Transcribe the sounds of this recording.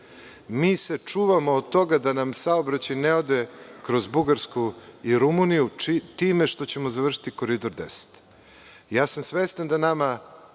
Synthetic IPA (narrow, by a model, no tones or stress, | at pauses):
miːse̞t͡ʂuːʋamo̞ːd̪̚t̪o̞ɡad̪anamsaobɾat͡ɕajneod̪ekɾo̞zbuɡaɾskuiɾumunijut̪iːmeʃt̪o̞t͡ɕe̞mozaʋr̩ʂi̥t̪iko̞ɾid̪oɾd̪ese̥t̪ | jaːsamsʋest̪and̪anama